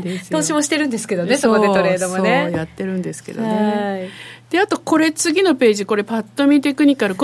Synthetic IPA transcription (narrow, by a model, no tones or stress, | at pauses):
d̪eso̞ːɕimo̞ɕi̥t̪e̞ɾɯ̟̃nd̪e̞sɨ̥ke̞d̪one̞sokoet̪o̞ɾe̞ːd̪osmoonejat̪ːe̞ɾɯ̟̃nd̪e̞sɨ̥ke̞̰d̪o̞̰ne | d̪̥e̞at̪o̞ko̞ɾe̞t͡sɨɡʲino̞pe̞ːʑiko̞ɾe̞pat̪ːo̞mʲit̪e̞kɯ̟ɲ̟ikaɾɯ̟k